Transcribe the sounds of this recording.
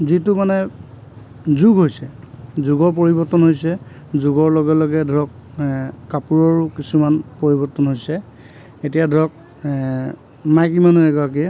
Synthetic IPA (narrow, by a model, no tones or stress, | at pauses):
zitʊmanɛ | zuɡɦojsɛ | zuɡɔɹp̬oɹibɔɹtɔnɦojsɛ | zuɡɔɹloɡɛlɔɡɛdʱɔk̚ː | apuɹɔɹkisumanpoɹibɔɹtɔnɦojsɛ | etijadʱɔk̚ | majkimanuɛɡɔak̬i